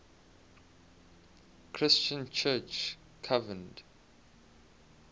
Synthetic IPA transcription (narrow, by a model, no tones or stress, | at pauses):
kʰɹɪst͡ʃə̃nt͡ʃʰɜt͡ʃ | kʰavə̃nd